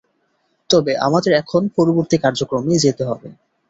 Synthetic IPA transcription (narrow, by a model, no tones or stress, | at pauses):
t̪ɔbeʔa̰mad̪eɾɛkʰonpɔɾoboɾt̪ikaɾd͡ʑokɾomed͡ʑet̪eɦɔbḛ